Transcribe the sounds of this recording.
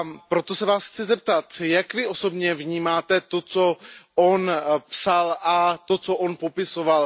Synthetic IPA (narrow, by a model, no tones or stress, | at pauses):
pɾot̪osɛvaːsxt͡sɪzɛp̚t̪at̪jakvɪʔo̞so̞bɲɛvɲiːmaːt̪ɛt̪ot͡soonpsalʔat̪ot͡soʔonpopɪsoval